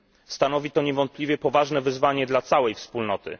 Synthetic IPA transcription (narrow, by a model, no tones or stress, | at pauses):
st̪anɔvʲit̪ɔɲɛvɔnt̪̚plʲivʲjɛpɔvaʐnɛvɘzvaɲɛd̪lat̪sawɛjfspulnɔt̪ɘ̰